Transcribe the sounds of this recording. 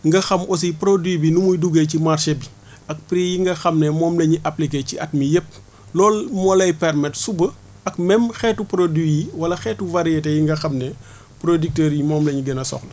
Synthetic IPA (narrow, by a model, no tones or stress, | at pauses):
ŋɡɐxɐmʔɔs̬ipɾodwibinumujduɡecimarʃebi | ɐk̚pɾijiŋɡɐxɐmnɛmɔːmlɐɲiʔɐplikeciʔɐt̚mijep̚ | lɔːlmɔlɐjpɛrmɛtsubə | ɐk̚mɛmxɛtːupɾodwijiwɐlɐxɛːtuvaɾietɛjiŋɡɐxɐmnɛ | pɾodik̚tɛːɾjimɔːmlɐɲiɡɛnɐsɔ̰xlɐ